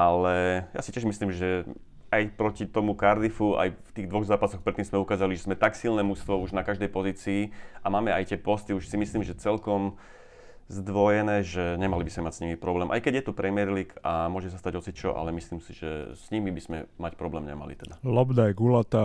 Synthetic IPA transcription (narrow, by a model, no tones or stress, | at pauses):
ʔalɛja̰sicɪɛʒmisliːmʒɛ | ajpɾɔcit̪ɔmukaɾd̪ifua̰jft̪iːɣd̪ʋɔɣzaːpasɔxpɾɛt̪ːiːmzmɛukaːzaliʒɛzmɛt̪aksilnɛːmust̪ʋɔuʒnakaʒd̪ɛjpɔziːt͡siːamaːmɛajtɪɛpɔst̪iuʃsimisliːmʒɛt͡sɛlkɔm | zd̪ʋɔjɛnɛːʒɛɲɛmalibizmɛmacsɲimipɾɔblɛːmʔa̰jkɛɟjɛt̪upɾɛmɪɛɾliːkʰamʊɔʒɛs̬ast̪aɟɔt͡sit̪t͡ʃɔ̰ʔa̰lɛmisliːmsiʒɛ̰sɲimibizmɛ̰macpɾɔblɛːmɲɛ̰ma̰lḭt̪ɛd̪alɔbd̪ajɡulat̪a